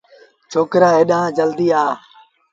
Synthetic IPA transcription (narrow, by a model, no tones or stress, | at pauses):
t͡ʃʰoːkɾaːeːɗãːd͡ʒəld̪iːaː